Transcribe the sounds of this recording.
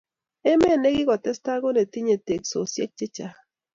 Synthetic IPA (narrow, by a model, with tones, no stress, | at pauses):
e˦me˦˨ne˦ɡi˦ka˨t̪e˦st̪a˦ɣo˦ne˨t̪i˦ɲe˨t̪e˨kso˨sjḛ˦t͡ʃe˦t͡ʃa˨